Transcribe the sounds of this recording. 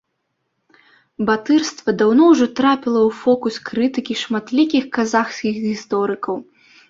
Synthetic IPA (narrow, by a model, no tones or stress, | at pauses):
bat̪ɨrst̪vɐd̪awnɔwʐɔt̪ɾapʲilˠɐwfɔkuskɾɨt̪ɨkʲiʂmat̪lʲikʲixkazaxsʲkʲixɣʲist̪ɔɾɨkɐw